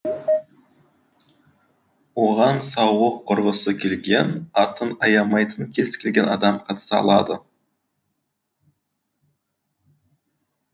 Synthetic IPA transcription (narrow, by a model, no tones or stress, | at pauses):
wo̞ʁɑnsɑwəqʰːʊɾʁəsəkʲʰe̞lɡʲe̞nɑt̪ənɑjɑmɑjt̪ənkʲʰe̞skʲʰe̞lʲɡʲe̞nɑ̰d̪ɑmqʰɑt̪ə̥sɑɑ̰lˠɑ̰d̪ə